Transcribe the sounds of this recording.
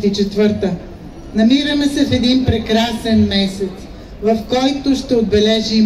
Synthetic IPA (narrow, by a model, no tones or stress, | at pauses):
t̪it͡ʃɛt̪vɤɾt̪ə | nɐmiɾəmɛsɛfɛd̪inpɾɛkɾasɛnmɛsɛt̪s | vɐfkɔjt̪ʊʃt̪ɛod̪̚bɛlɛʒi